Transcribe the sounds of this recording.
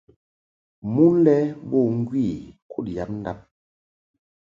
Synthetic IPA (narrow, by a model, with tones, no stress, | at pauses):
mu˦lɛ˦bo˦˨ŋ˦ɡwi˦˨kʰu˦˨tja˨˦p̚n˦da˦p̚